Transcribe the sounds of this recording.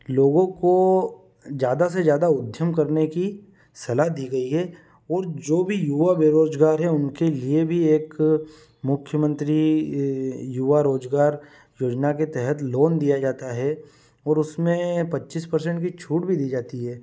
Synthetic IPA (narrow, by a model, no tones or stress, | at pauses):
loːɡõko | d͡ʒjaːd̪as̬ezjaːd̪aʊd̪ʱjəmkɐɾneki | sɐlaɦd̪iːɡɐiɦɛ | ɔːɾd͡ʒoːbʱijuʋabeɾoːd͡ʒɡaːɾɦɛʊnkeliebʱieːk | mʊkʰjəmə̃nt̪ɾi | juʋaɾoːd͡ʒɡaːɾ | joːd͡ʒnaket̪ɛɦət̪loːnd̪ijad͡ʒaːt̪aɦɛ | ɔːɾʊsmẽpɐtːʃiːspɐɾs̬ə̃ɳʈkit͡ʃʰuːʈbʱid̪iːd͡ʒaːt̪iɦɛː